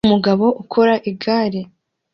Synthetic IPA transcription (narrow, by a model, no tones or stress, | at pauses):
muɡaβo̞ʔukʰo̞ɾaʔiɡaːɾi